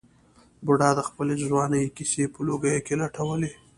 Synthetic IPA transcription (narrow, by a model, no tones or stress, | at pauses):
bʊɽɑd̪əxpəlezwɑːnəjkisepəloɡəjkenaʈʰawəle